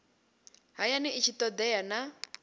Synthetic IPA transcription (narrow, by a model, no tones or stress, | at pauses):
ɦajanɛʔit͡ʃʰit̪ɔd̪ɛjana